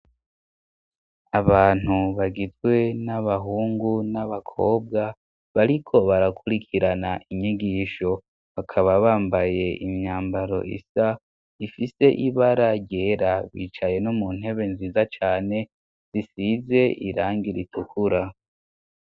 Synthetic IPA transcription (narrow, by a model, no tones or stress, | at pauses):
aβaːn̥huβaɡizɡwe̞naβaɦuːŋɡunaβakʰo̞ːb̚ɡa | βaɾikʰo̞βaɾakʰuɾikʰiɾanaʔiɲiɡiːʃo̞ | βakʰaβaβaːmbaje̞imɲaːmbaɾo̞̰ʔḭsa | ifise̞ʔiβaɾaɟɟeːɾaβḭːt͡ʃaje̞nomun̥he̞βe̞nziːzat͡ʃaːne̞ | z̥isize̞ʔiɾaːŋɡiɾitʰukʰuɾa